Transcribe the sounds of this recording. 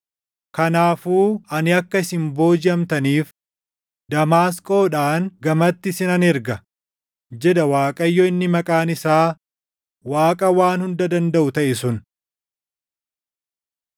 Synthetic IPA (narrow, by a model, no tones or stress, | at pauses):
kɐnaːfuːɐnɪɐkːɐɪsɪmbo̞ːd͡ʒɪɐmt̪ɐniːf | d̪ɐmaːskʼo̞ːᶑaːŋɡɐmɐt̪ːɪsɪnɐnɛɾɡɐ | d͡ʒɛd̪ɐwaːkʼɐjːɔɪnːɪmɐkʼaːnɪsaː | waːkʼɐwaːnhʊnd̪ɐd̪ɐnd̪ɐʔʊt̪ɐʔɪsʊn